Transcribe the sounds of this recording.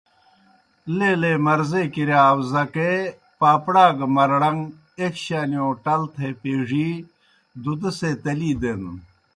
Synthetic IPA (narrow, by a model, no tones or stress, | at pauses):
leːleːmɐɾzeːkiɾeaːwzɐke | paːpɽaːɡɐmɐɾɽɐŋ | ekɕaːnioːʈɐlt̪ʰepeːʐiː | d̪ud̪ɐseːt̪ɐliːd̪en